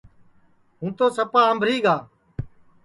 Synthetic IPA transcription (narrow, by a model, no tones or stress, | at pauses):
ɦũːt̪oːsəpaːəmbʱɾiːɡaː